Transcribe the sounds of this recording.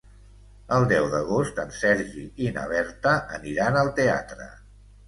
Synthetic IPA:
əlˠd̪ɛwðəɣ̞ost̪ənsɛɾʒiinə̰β̞ɛɾt̪əʔə̰niɾanəlˠt̪ea̰t̪ɾə̰

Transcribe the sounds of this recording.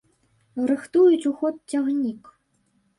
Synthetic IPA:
rɨxt̪ujut͡sʲuxɔt̪̚t͡sʲaɣnʲik

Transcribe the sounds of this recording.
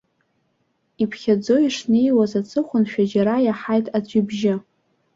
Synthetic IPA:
ipʰχʲad͡zo̞iʂnejwazat͡sʰɨχʷʊnʃᶣad͡ʒaɾajaħajtʼad͡ʑʷɪbʒɪ

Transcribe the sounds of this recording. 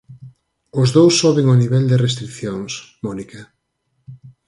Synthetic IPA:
ʊzðowsːɔβeŋoniβɛld̪ɪrest̪ɾikθjoŋsmɔnikɐ

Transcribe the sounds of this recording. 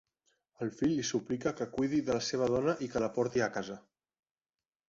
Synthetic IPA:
əlˠfiʎːisuplikəkəkujð̞iðələseβ̞əð̞ɔnəʔikələpɔɾt̪iəkazə

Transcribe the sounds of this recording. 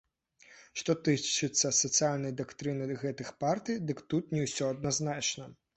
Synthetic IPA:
ʂt̪ɔt̪ɨt͡ʂɨt̪sʲːɐsɐt̪sɨjalʲnɐjd̪akt̪ɾɨnɨɣɛt̪ɨxpart̪ɨjd̪ɨkt̪ut̪nʲɛwsʲɔɐd̪naznat͡ʃnɐ

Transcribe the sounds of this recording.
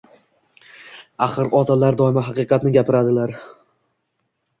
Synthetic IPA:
aχɨɾɒt̪ʰalaɾd̪ɒɪmaɦɑqɨqʰɑt̪nɪɡʲapɪɾad̪ɪlaɾ

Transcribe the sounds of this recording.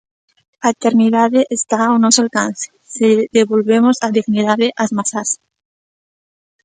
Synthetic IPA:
aet̪eɾniðaðeʔːst̪aonosalkanθe̥ | seðeβolβe̞mosaðiɣniðaðeʔazmasas

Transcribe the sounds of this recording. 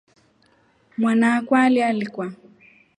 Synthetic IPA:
mwanaːkwalialikwa

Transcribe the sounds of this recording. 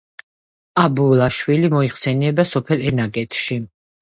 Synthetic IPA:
abulaʃwilimɔiχsɛnɛbasɔpʰɛlɛnaɡɛt̪ʰʃi

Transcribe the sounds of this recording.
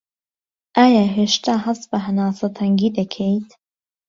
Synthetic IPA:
ʔaːjaːɦeːʃt̪ʰaːɦɐst̪̚bɐɦɐnaːsɐt̪ʰɐŋɡiːd̪ɐkʰejt̪

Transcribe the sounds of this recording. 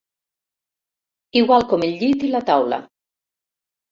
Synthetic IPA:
iɣwalkɔmeʎʲʎːit̪ilat̪awla̰

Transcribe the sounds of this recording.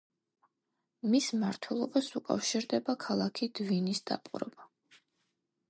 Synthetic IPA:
mismaɾt̪ʰwɛlˠɔbasukʼa̰fʃiɾd̪ɛbakʰalˠakʰid̪̥vinisd̪̥a̰pʼuɾɛ̰ba

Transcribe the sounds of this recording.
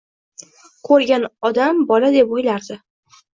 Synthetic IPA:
kʰɵɾɡʲanɒd̪ambɒlad̪epojlaɾd̪ɪ

